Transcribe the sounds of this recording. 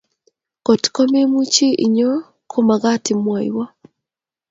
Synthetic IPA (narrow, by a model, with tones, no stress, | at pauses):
kɔ˨tko˦me˦mu˦t͡ʃi˦ʔi˨ɲɔ˦ | kʰo˦ma˨ɡa˦tɪ˨mwɔ˨jwɔ˦